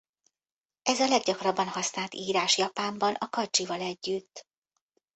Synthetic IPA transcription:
ʔɛzɒlɛɡɟɒkrɒbːɒnhɒsnaːlt̪iːɾaːʃjɒpaːmbɒnɒkɒd͡ʒivɒlɛɟːyt̪ː

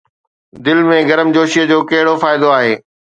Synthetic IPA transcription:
d̪ɪlmẽɡɐɾəmd͡ʑoːʃiəd͡ʑoːkɐɦɪɽofaːɪd̪oaːɦeː

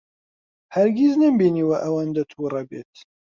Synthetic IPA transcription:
hɐɾɡʲiznɐmbiniːwɐʔɐwand̪ɐt̪ʰurˤɐbeːt̪

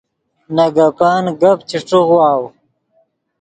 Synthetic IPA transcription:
naɡapaːnɡapt͡ɕiʈ͡ʂuɣwaːw

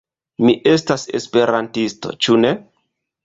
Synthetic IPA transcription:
miʔe̞stase̞̰spe̞ɾantisto̞̰t͡ʃune̞

